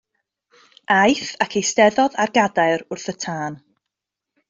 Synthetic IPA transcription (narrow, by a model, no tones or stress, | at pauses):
ajθakʰejstɛðɔðarɡadaɨɾʊrθətʰaːn